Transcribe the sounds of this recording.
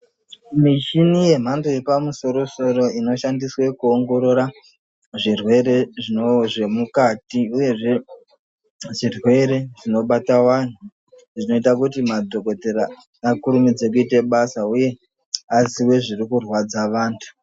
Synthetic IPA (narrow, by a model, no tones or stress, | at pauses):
miʃinije̞m̤andoje̞pamuso̞ɾo̞so̞ɾo̞ino̞ʃandiswe̞kuoŋɡo̞ɾo̞ɾa | ʐirwe̞ɾe̞ʐinoʐe̞mukatiuje̞ʐe̞ | ʐirwe̞ɾe̞ʐino̞ɓatawan̤u | ʐino̞itakutimadʱo̞ko̞teɾaː | kuɾumid͡ze̞k̬uite̞ɓasauje̞ | aziwe̞ʐirikurwad͡zaʋaːntʰu̥